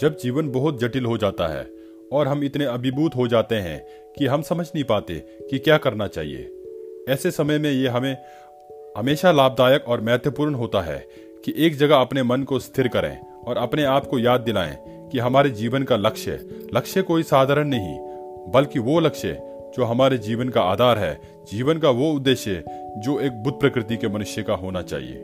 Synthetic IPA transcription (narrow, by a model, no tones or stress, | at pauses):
d͡ʒɐb̚d͡ʒiːʋənbɐɦʊt̪̚d͡ʒɐʈɪlɦod͡ʒaːt̪a̰ɦɛ̰ː | ɔːɾɦɐmɪt̪neɐbʱɪbuːt̪ɦod͡ʒaːt̪eɦɛ̰̃ | kiɦɐmsɐməd͡ʒʱnɐɦĩpaːt̪ḛ | kikjaːkɐɾnat͡ʃa̰ːɦḭḛːɛːsesɐməjmẽjeɦɐmẽ | ɦɐmeːʃalaːb̚d̪aːjəkɔːɾmɛɦt̪jəpuːɾənɦoːt̪aɦɛ̰ | kiʔeːk̚d͡ʒɐɡaɐpnemɐnkost̪ʰɪɾkɐɾḛ̃ː | ɔːɾɐpneaːpkojaːd̪̚ːɪla̰ːḛ̃ | kiɦɐmaːɾed͡ʒiːʋənkalɐkʃə̰lɐkʃekoːisaːd̪ʱaːɾəɽ̃nɐɦḭ̃ | bɐlkiʋolɐkʃḛ | d͡ʒoːɦɐmaːɾed͡ʒiːʋənkaaːd̪ʱaːɾɦɛ̰ | d͡ʒiːʋənkaʋoʊd̪ːeːʃjɛ | d͡ʒoːeːk̚bʊd̪̚ʱpɾɐkɾɪt̪̬ikemɐnʊʃjəkaɦoːnat͡ʃa̰ːɦḭḛː